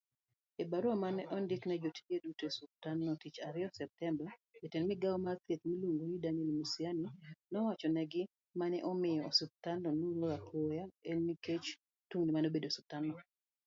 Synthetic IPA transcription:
ebaɾwamanɛʔɔndɪknɛd͡ʒotʰi̥edutosup̚tanːɔtit͡ʃaɾɪɔsɛp̚tɛmbaetenmɪɡaɔmat̪et̪milumojidanɛlmusianinɔwat͡ʃɔnɛɡɪ | manɛʔɔmɪjɔːsup̚tandɔnulɔapʰojaenmiket͡ʃ | tuŋnɪmanobedosup̚tanɔ

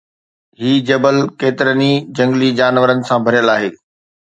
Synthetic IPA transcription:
ɦiːd͡ʑɐbəlkeːt̪ɪɾənid͡ʑɐ̃ŋɡlid͡ʑaːnʋəɾənɪ̆sãbʱɐɾjəlaːɦeː

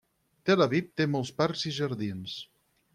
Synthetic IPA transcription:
t̪elaβip̚t̪emolˠspaɾziʒəɾðins

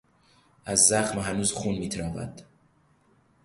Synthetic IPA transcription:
ʔæzːæxmɦænuːzxuːnmiːt̪ʰɾɒːvæ̰d̪̥

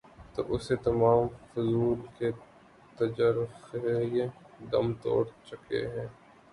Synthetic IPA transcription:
t̪o̰ːʔʊset̪ɐmaːmfʊzuːlke | t̪ɐd͡ʒəɾxejẽ | d̪ɐ̰mt̪o̰ːɽt͡ʃʊkḛɦɛ̃ː

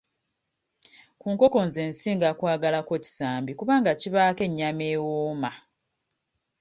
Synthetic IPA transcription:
kuːŋko̞ko̞nze̞ːnsiːŋɡakwaːɡalako̞ci̥saːmbikuβaːŋɡaciβaːke̞ɲːame̞ːwoːma

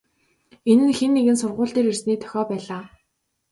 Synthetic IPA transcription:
enɘ̆nxenːeɣɘ̆nsʊrʁʊːɮt̪eːɾersniːt̪ʰœ̥xʲɔːpæːɮaː

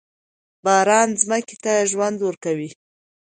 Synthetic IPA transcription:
bɑɾɑnzməke̥t̪aʒwand̪wəɾkawi

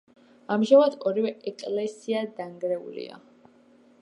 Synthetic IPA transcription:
amʒamad̪ʰɔɾivɛɛkʼlɛsiad̪aŋɡɾɛṵlḭa̰

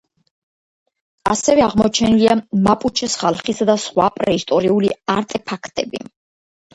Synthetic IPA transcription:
asɛvɛaʁmɔt͡ʃʰɛniliamapʼut͡ʃʰɛsχalˠχisad̪asχwapʼɾɛist̪ʼɔɾiuliaɾt̪ʼɛpʰakʰt̪ʼɛbḭ

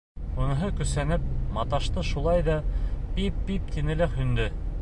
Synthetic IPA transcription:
unɤ̆ɦɤkɵ̆sænɘp̚mɑt̪ɑʃt̪ɤʃulˠɑjðɑpipːip̚t̪inɘ̆lækhɵ̆nd̪ɘ

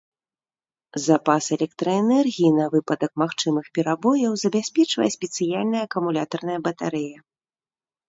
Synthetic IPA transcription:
zapasɛlʲɛkt̪ɾɐɛnɛrɣʲijinɐvɨpɐd̪ɐkmaxt͡ʂɨmɨxpʲɛɾabɔjɐwzɐbʲasʲpʲɛt͡ʂvɐ̰jɛsʲpʲɛt̪sɨjalʲnɐjɐːkɐmulʲat̪ɐrn̪ɐjɐbɐt̪aɾɛjɐ

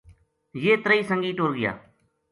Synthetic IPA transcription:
jeːt̪ɾəiːsəŋɡiːʈoːlɡɪja̰ː

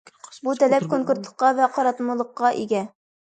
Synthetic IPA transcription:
but̪ælæp̚koŋkuɾt̪lˠɤ̥̆qːɑvæqɑɾɑt̪mɤ̆lˠɤ̆qːɑʔiɡæ

